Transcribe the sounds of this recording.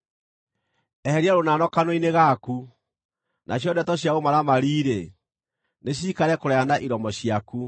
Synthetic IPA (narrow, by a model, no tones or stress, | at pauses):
ɛhɛɾiaɾonanɔkanwoineɣaku | nʔaɕ̬jɔdɛtɔɕ̬jaomaɾamaɾiːɾe | neɕ̬iːkaɾɛkoɾɛanaʔiɾɔmɔɕiaku